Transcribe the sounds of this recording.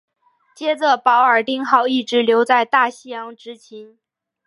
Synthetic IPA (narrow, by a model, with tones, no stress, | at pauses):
t͡ɕjɛ˥ʈ͡ʂə˧˩pɑ˧˥ʊə˞˨˩t̪i˥ŋxɑ˥˧ʊi˥˩ʈ͡ʂɻ̩˧˥ljo˧˥ʊt͡sa˥˧ɪt̪a˥˩ɕi˥jɑ˧˥ŋʈ͡ʂɻ̩˧˥t͡ɕʰi˧˥n